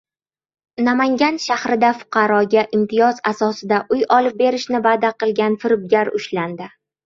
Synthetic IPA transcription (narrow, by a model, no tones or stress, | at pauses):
namaŋɡʲanʃahɾɪd̪afʊ̥qʰɑɾɒɡʲaʔɪmt̪ʰɪjɒzasɒsɪd̪aʔʊjɒlˠɪp̚be̞ɾɪʃnɪvaːd̪aqɨlˠɡʲanfɪɾɪb̚ɡʲaɾʊʃland̪ɪ